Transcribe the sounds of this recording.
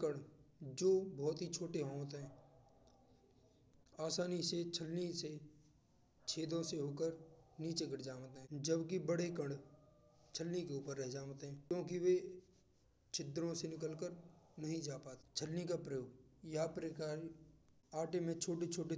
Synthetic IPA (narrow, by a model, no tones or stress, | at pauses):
kəɳɖd͡ʒoːbɔːt̪ɦit͡ʃʰoːʈeɦõt̪ɦɛ̃ː | aːsaːniset͡ʃʰəlnise | t͡ʃʰeːd̪õseɦoːkəɾniːt͡ʃeɡəʈd͡ʒaːʋt̪ɦɛ̃d͡ʒəbkibəɽekə̃ɳɖ | t͡ʃʰəlnikeuːpəɾːɛɦd͡ʒaːʋt̪ɦɛ̃ːkjõːkiʋe | t͡ʃʰɪt̪ːɾõsenɪkəlkəɾnɐɦĩd͡ʒaːpaːt̪t͡ʃʰəlnikapɾəjoːɡjɐapɾekaːɾ | aːʈemẽt͡ʃʰoːʈet͡ʃʰoːʈe